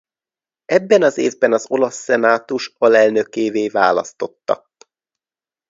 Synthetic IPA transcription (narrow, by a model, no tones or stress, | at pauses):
ɛbːɛnɒzeːvbɛnɒzo̞lɒsːɛnaːt̪uʃɒlɛlnøkeːveːva̰ːlɒ̰st̪o̞t̪ːɒ̰